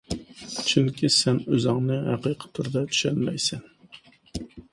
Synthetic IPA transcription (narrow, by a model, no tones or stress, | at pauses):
t͡ʃʰyŋkʲʰisɛnøzɪŋnɨɦæ̰qʰijqʰə̥t̪ʰuɾd̪ɑt̪ʰy̥ʃɛnmɛjsɛn